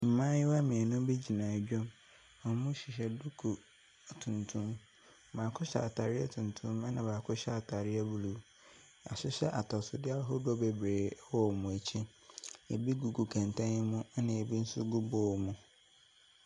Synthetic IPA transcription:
m̩˨mãː˦jɪ˦wa˦mɪ̃˨ɛ˨nʊ̃˦bi˦d͡ʑi˨nã˨d͡ʑᶣɔ̃˦m | ɔ˨˦mʊ̃˦ɕi˨ɕɛ˨du˦kʰu˨ | tʰũ˨ntʰũ˦m˨ | mãː˨kʰʊ˦ɕa̰˨tʰa˨ɾɪ˦ɛ˦tʰũ˨ntʰʊ̃˦ma˦nã˨baː˨kʰʊ˦ɕa˨tʰa˨ɾɪ˦ɛ˦bu˦lu˦ | a̰˨sʊ˦ɕɛ˦ʔa˨tʰɔ˨sʊ˨dɪ˦a˦la˦ɦʊ˦dɔ˦be˨bɾeː˨˦wɔ˦˨mʊ̃˨e˨t͡ɕʰi˦ | e˨bi˦ɡu˨ɡu˨kʰã˨ntʰã˦n˦mʊ̃˦nã˨e˨bi˦n̩˦sʊ˦ɡu˦boː˦˨mũ˨

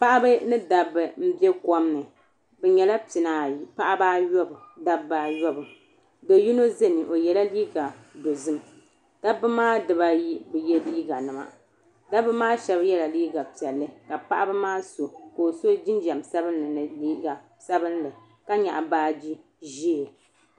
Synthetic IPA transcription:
pa˦ʔa˦bɨ˦nɨ˦da˨bɨ˨m̩˦bɛ˦kɔ˦mnɨ˨ | bɛ˨ɲɛ˨la˦pi˨naː˨˦pa˦ʔa˦baː˦jɔ˦bɨ˨da˦ba˦jɔ˦bɨ˨ | dɛ˨ju˦no˦ze˦nɨ˨ʔo˨jɛ˨la˦liː˦ɡa˨do˨zɨ˦m | ta˦bɨ˦maː˦dɨ˨ba˦ji˦bɛ˨jɛ˦liː˦ɡa˨nɨ˨ma̰˨ | da˦bɨ˦maː˦ʃɛ˦bjɛ˦la˨liː˦ɡa˨pi˨ɛ˨lːɨ˦ka˨pa˦ʔa˦bɨ˦maː˦so˨ko˨so˦d͡ʒi˦nd͡ʒa˨msa˦bɨ˦nːɨ˨nɨ˨liː˦ɡa˨ | sa˦bɨ˦nlɨ˨ | ka˦ɲa̰˨ʔa˨baː˦d͡ʒi˦ | ʒiː˦˨

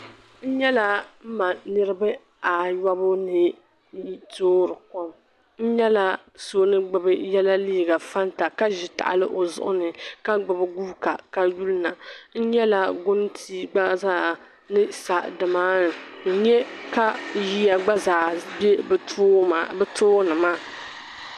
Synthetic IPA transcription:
n̩˦ɲɛ˦la˨m̩˦ma˨nɨ˦ɾɨ˦bɨ˦ | a˨ja˦bʊ˦nɨ˨˦ | toː˦ɾɨ˨kɔ˦m | n̩˦ɲɛ˦la˨ | so˦nɨ˦ɡ͡bɨ˨bɨ˦jɛ˦la˦liː˦˨ɡa˨fa˦n˦ta˨ka˦ʒɪ˨ta̰˨ʔa̰˨lɨ̰˦ʔo˨zʊ̰˦˨ʔʊ̰˦nɨ˨ka˦ɡ͡bɨ˨bɨ˦ɡuː˦ka˨ka˦ju˦lna˨n̩˦ɲɛ˦la˨ɡʊ˦n˦tʰiː˦ɡ͡ba˦zaː˦˨ | nɨ˦sa˨dɨ˨maː˦nɨ˨n̩˦ɲɛ˦ka˦ji˦a˨ɡ͡ba˦zaː˨bɛ˦ba˨bɛ˦toː˦nɨ˨maː˦˨

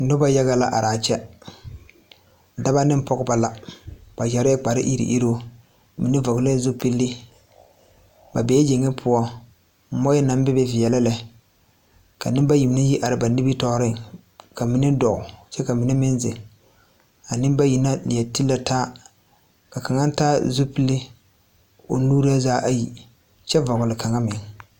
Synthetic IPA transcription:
nʊ˦ba˦ja˦ɣa˦la̰˨ʔa˨ɾaː˨t͡ʃɛ˦˨ | da˦ba˦nɪ˦m˦pɔ˦ɡʊ˦ba˨la˨ba˨ja˨ɾɪ˦k͡pa˨ɾɪ̰˦ʔi˦ɾḭ˨ʔi˦ɾo˦ | mi˨nɪ˦vɔ˨ɡle˦zʊ˦pi˦lːɪ˦ | ba˨bɛ˨˦ɛ˦d͡ʒe˨ŋːɪ˦pʰʊ˦ɔ˦ | m̩˦mɔ˦jɛ˦na˨˦m˦bɪ˦bɛ˦vi˨ɛ˨la˦lɛ˨ | ka˨nɪ˦m˦ba˦ji˨m˦nɪ˦ji˦ʔa˨ɾɪ˨ba˨ni˦bi˦tɔ˦ɾɪ˦ŋ | ka˨mi˦nɪ˦dɔ˨ʔʊ˨t͡ʃɛ˦ka˨mi˨nɪ˦mɪ˦nzɪ̰˨ŋ | a˨nɪ˦m˦ba˦ji˨na˦lɪ˨ɛ˨ti˦lːa˦taː˦ | ka˨ka˨ŋa˦n̩˦taː˦zu˦pi˦lːi˦ | o̰˨nuː˦ɾɨ˦a˦zaː˦ʔa˦ji˨ | t͡ʃɛ˦va˨ɡʊ˨lɪ˨ka˨ŋa˦mɪ˨ŋ

